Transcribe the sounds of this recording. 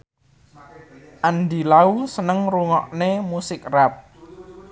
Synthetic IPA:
ʔandilausənəŋruŋɔʔnemusɪkrap̚

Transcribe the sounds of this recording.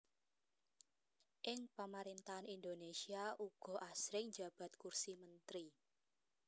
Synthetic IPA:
ʔɪŋpamaɾint̪aɦanind̪onesiaʔuɡ̥ɔ̤ʔasɾɪŋd͡ʒa̤b̥a̤t̪̚kursimənt̪ɾi

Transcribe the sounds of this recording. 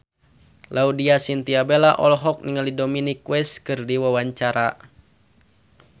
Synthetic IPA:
laudiasint̪iabelaʔɔlɦɔk̚niŋalidominikwɛskɨrdiwawaɲt͡ʃaɾa

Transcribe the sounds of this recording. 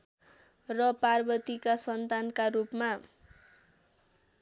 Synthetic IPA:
rʌparbʌt̪ikasʌnt̪ankaɾupma

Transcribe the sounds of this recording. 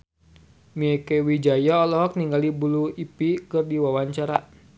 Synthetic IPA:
miɛkɛwid͡ʒajaɔlɔɦɔk̚niŋɡalibuluipikɨrdiwawaɲt͡ʃaɾa

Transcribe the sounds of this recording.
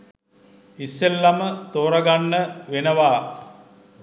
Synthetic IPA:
isːelːamət̪oːɾəɡanːəʋenəʋaː

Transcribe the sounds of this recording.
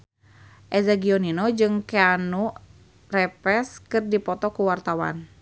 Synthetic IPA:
ʔɛzaɡiɔninod͡ʒɨŋkeanu | rɛpɛskɨrdipɔt̪ɔkuwart̪awa̰n

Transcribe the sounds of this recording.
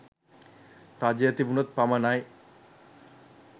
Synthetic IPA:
ɾad͡ʑjɐt̪ibunɐt̪̚pamɐnaj

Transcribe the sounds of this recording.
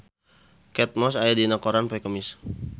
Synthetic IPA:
kɛt̪̚mɔsajadinakoɾanpɛkəmis

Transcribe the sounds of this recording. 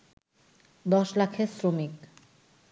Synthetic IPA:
d̪ɔʃlakʰesɾomik

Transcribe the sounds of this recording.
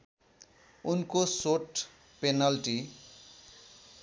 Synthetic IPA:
unkosoʈ | penʌlʈi

